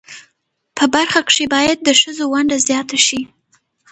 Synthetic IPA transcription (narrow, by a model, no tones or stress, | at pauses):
pʰəbaɾxakʂebɑjad̪̚ːəʃəzowaɳɖazjɑt̪aʃi